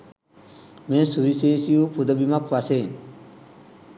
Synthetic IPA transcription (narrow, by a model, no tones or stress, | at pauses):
mesuɾiseːsijupʰud̪əbimakʰʋasen